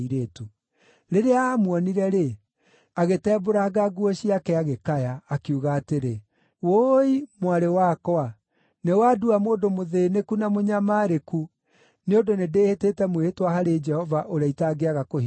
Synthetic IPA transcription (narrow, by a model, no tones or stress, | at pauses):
iɾeːtu | ɾeɾeaːmwɔniɾɛɾe | aɣetɛːboɾaɡaɡuɔɕiakɛaɣekajaːkiuɣaːteɾe | woimwaɾewakɔa | newaduamoːdomoðeːnekunamoɲamaːɾeku | neondonedeːheteːtɛmwehetwahaɾed͡ʒɛhɔvaʔoɾaitaɡeaɣakoh